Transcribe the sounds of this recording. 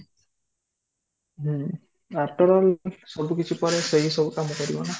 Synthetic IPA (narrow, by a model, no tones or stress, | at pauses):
ɦ | at̪ɔɾɔlsɔbukit͡ʃʰipɔɾeseɦisɔbukamɔkɔɾibɔna